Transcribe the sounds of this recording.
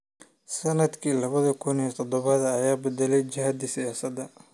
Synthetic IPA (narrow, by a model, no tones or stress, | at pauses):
sɐnɐd̪kʰiːlɐβɐðɐkʰʊnit̪ʰɔd̪ɔβɐðɐːjaːbɛd̪ɛlɛjd͡ʒɐɦɐd̪ɪsɪjaːsɐd̪ɐ